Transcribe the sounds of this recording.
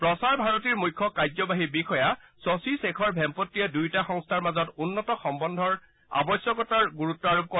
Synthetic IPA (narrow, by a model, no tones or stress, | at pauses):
pɹɔsaɹbʱaɹɔtiɹmujkʰːɔkajzɔbaɦibixʰɔja | sɔsisekʰɔɹbʱɛmpɔtːijadujtaxɔŋstʰaɹmazɔtunːɔtɔxɔmbɔndʱɔɹ | a̰bɔsjɔkɔtaɹɡuɹutːɔaɹub̚kɔ